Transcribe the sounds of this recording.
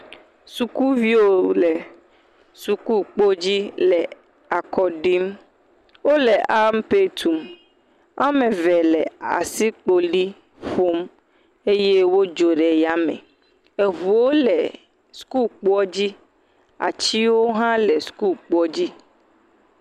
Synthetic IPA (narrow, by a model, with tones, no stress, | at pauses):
su˨ku˦vi˦o˦le˨ | su˨ku˦k͡po˦d͡ʑi˦lɛ˨ | a˨kɔ˨ɖi˦m | wo˦lɛ˨ʔa˦m˦pe˦t̪ʰu˨m | a˦mẽ˨vɛ˨lɛ˨a̰˨si˦k͡po˨ɖi˦ | ɸo˦m | e˦je˦wo˦d͡ʒo˨ɖɛ˨ja˦mḛ̃˨ | e˨vu˨wo˦lɛ˨ | sku˦lk͡pu˦ɔ˦d͡ʑi˦ | a̰˨t͡ɕi˦wo˦ɦã˦lɛ˨sku˦lk͡pɔ˦d͡ʑi˦